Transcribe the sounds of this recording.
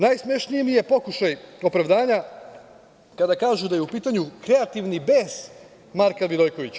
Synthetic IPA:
najsmeʃnijmije̞po̞kuʃajo̞pɾaʋd̪aːɲa | kad̪akaːʒud̪aje̞upiːt̪aɲukɾe̞at̪iʋnibez̥ | maɾkaʋid̪o̞jko̞ʋit͡ɕa

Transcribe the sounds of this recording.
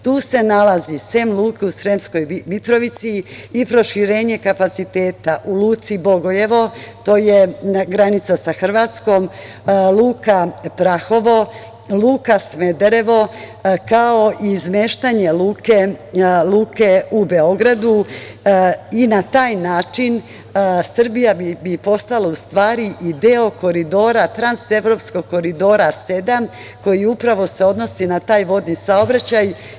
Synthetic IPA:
t̪uːse̞nalazisemlˠuːkeusɾemsko̞jmit̪ɾo̞ʋit̪siːpɾo̞ʃiɾeːɲe̞kapat̪sit̪eːt̪aʔuluːt̪sibo̞ɡo̞je̞ʋo̞t̪o̞ːjeaɡɾanit̪sasaxr̩ʋaːt̪sko̞m | lˠuːkapɾaxo̞ʋo̞ | lˠuːkasme̞d̪eɾe̞ʋo̞ | kao̞izmeːʃt̪aɲe̞luːkelˠuːke̞ube̞o̞ɡɾad̪u | inat̪aːjnaːt͡ʃin | sr̩bijabibipo̞st̪alaust̪ʋaːɾiʔid̪eo̞ko̞ɾid̪o̞ːɾat̪ɾanse̞ʋɾo̞psko̞ɡ̚ko̞ɾid̪o̞ːɾase̞d̪am | ko̞jiupɾaʋo̞se̞o̞d̪no̞sinat̪aːjʋo̞d̪nisao̞bɾat͡ɕaj

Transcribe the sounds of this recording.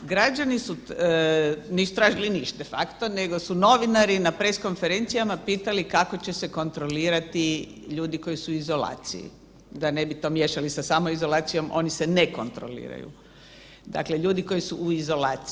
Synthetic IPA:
ɡɾad͡ʒanisu | neisu̥t̪ɾaːʒiliniʃt̪d̪efa̰kt̪one̞ɡo̞suno̞ʋinaɾinapɾesko̞nfe̞ɾe̞nt̪sijamapiːt̪alikako̞t͡ɕe̞se̞ko̞nt̪ɾoliːɾat̪i | ʎuːd̪iko̞jisuizo̞la̰ːt̪sḭjḭ | d̪ane̞bit̪o̞ːmjeʃalisasaːmoizo̞laːt̪sijo̞mo̞̰niseneko̞nt̪ɾo̞̰lḭːɾa̰jṵ | d̪a̰kleʎuːd̪iko̞jisuuizo̞laːt̪s

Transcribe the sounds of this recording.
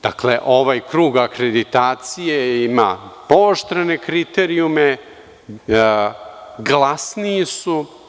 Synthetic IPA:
d̪̥a̰kleʔo̞ʋajkɾuːɡakɾed̪it̪aːt̪sijeimapoːʃt̪ɾene̞kɾit̪eɾiume | ɡlˠasniisu

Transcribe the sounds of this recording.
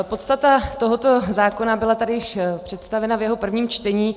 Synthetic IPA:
po̞t̪st̪at̪at̪o̞ɦo̞t̪o̞zaːko̞nabɪlat̪adɪjɪʃpr̝̥ɛt̪st̪avɛnavjɛɦo̞pr̩vɲiːmt͡ʃt̪ɛɲiː

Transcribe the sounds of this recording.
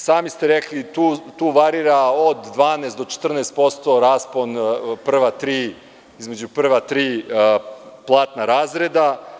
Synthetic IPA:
saːmist̪e̞ɾeklit̪uːt̪uːʋaɾiːɾaod̪d̪ʋaːneːsd̪o̞t͡ʃe̥t̪r̩neːst̪̚po̞st̪o̞ɾaːspo̞npr̩ʋat̪ɾiː | izme̞d͡ʑupr̩ʋat̪ɾiː | plˠaːt̪naɾaːzɾed̪a

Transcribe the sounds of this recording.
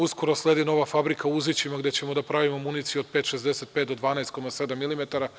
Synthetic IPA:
usko̞ɾo̞slˠe̞ːd̪ino̞ʋafabɾikʰauzit͡ɕimaɡd̪e̞t͡ɕe̞mod̪apɾaʋimo̞munit̪sijuod̪̚peːt̪ʃezd̪eset̪̚pet̪d̪od̪ʋaːnaest̪̚ko̞mase̞d̪amːilimet̪aɾa

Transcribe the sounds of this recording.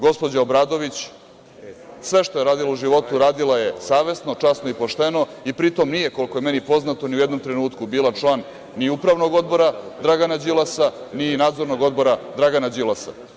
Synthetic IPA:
ɡo̞spo̞d͡ʑaobɾaːd̪o̞ʋit͡ɕ | sʋe̞ʃt̪o̞jeɾaːd̪ilˠouʒiʋo̞t̪uɾaːd̪ilaje̞saːʋe̞sno̞t͡ʂasnoipo̞ʃt̪e̞no̞ipɾit̪o̞mnije̞ko̞lˠko̞je̞me̞nipo̞znat̪oniujed̪no̞mt̪ɾe̞nuːt̪kubiːlat͡ʃlˠaːnː | iupɾaʋno̞ɡo̞d̪̚bo̞ɾad̪ɾaɡanad͡ʑilˠasaninaːd̪zo̞ɾno̞ɡo̞d̪bo̞ɾad̪ɾaɡanad͡ʑilasa̰

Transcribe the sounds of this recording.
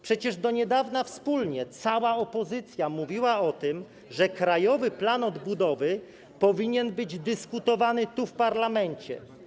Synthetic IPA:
pʂɛt͡ɕɛʐd̪ɔɲɛd̪avnafspulɲɛt̪sawaɔpɔzɘt̪sʲjamuvʲiwaɔt̪ɘm | ʐɛkɾajɔvɘplanɔd̪bud̪ɔvɘ | pɔvʲiɲɛnbɘd͡ʑd̪ɘskut̪ɔvanɘt̪ufpaɾlamɛɲt͡ɕɛ̰

